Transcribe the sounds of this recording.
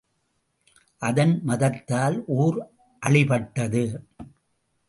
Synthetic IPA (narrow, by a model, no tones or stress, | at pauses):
ʔɐðɐnmɐðɐt̪ːaːlʔuːɾ | ʔɐɭɪpɐʈːɐðɯ